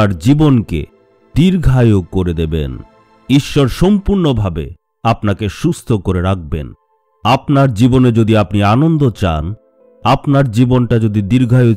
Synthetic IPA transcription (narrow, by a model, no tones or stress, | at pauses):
ɾd͡ʑibonkḛ | d̪iɾɡʱajoɡ̚koɾed̪ebḛn | iʃːɔɾʃɔmpuɾnobʱabḛ | apnakeʃust̪ʰokoɾeɾak̚bḛn | apnaɾd͡ʑiboned͡ʑod̪iapnianond̪ot͡ɕa̰n | apnaɾd͡ʑibonʈad͡ʑod̪id̪iɾɡʱajo